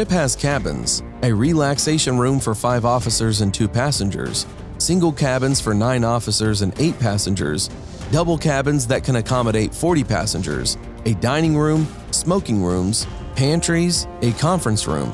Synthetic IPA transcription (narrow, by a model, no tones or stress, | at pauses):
ʃɪphɨz̥kʰæbɨ̰̃nz̥ | ɨɹilækseɪʃɨ̃nɹʉ̃ɱfə˞faɪvɔfəsə˞zɨ̃ntʰʉpʰæsɨ̃nd͡ʒə̰˞z̥ | sɪ̃ŋɡl̩ˠkʰæbɨ̃nz̥fə˞nãɪ̃nɔfəsə˞zɨ̃neɪt̚pʰæsɨ̃nd͡ʒə̰˞z̥ | d̥ʌbl̩ˠkʰæbɨ̃nzðɨt̚kʰɨ̃ñɨkʰɑməɾeɪtfɔɹɾipʰæ̰sɨ̃nd͡ʒə̰˞z̥ | ɨdãɪ̃ñɪ̃ŋɹʉ̃m | smoʊkɪ̃ŋɹʉ̃mz̥ | pʰæ̃nt͡ʃɹ̥izɨkʰɑ̃ɱfɹɨ̃nsɹʉ̰̃m